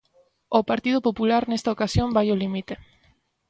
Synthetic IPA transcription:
opaɾt̪ið̞opopulaɾnest̪ɐokasjombajolimit̪e

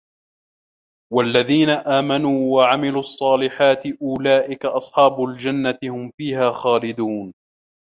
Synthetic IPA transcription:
walːaðiːnaʔaːmanuːwaʕamɪluːʔɑsˤːɑːlɪħaːt̪ɪʔʊlaːʔɪkaʔɑsˤħɑːbʊld͡ʒanːat̪ɪhʊmfiːhaːxaːlɪd̪uːn

